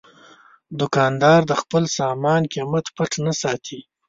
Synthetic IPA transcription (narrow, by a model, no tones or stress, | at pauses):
d̪ʊkɑnd̪ɑɾd̪əxpəlsɑmɑnkimat̪paʈnasɑt̪ʰi